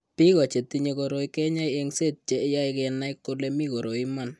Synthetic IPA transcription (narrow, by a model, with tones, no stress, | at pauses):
pi˦kɔ˨t͡ʃe˨ti˦ɲe˦ko˨ɾo˨i˦kɛ˦ɲa˦jɛ˦ŋse˦˨t̚t͡ʃe˨˦ja˦ɪkɛ˨na˦ɪ˦kːʊ˦lɛ˦mi˦ko˨ɾo˨i˦ma˦n